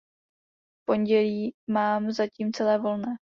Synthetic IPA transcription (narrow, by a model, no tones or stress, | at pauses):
fpo̞ɲɟɛliːmaːmzaciːmt͡sɛlɛːvo̞lnɛː